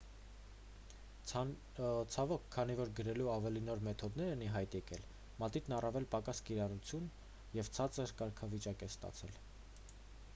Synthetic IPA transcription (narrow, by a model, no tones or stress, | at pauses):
t͡sʰɑvɔkʰːɑnivɔɾɡəɾɛluɑvɛlinɔɾmɛt̪ʰɔd̪nɛɾɛniɦɑjt̪jɛkɛl | mɑt̪it̪nɑrɑvɛlpɑkɑskiɾɑrut͡sʰjun | jɛvt͡sʰɑt͡səɾkɑɾkʰɑvit͡ʃɑkɛst̪ɑ̰t͡sʰɛl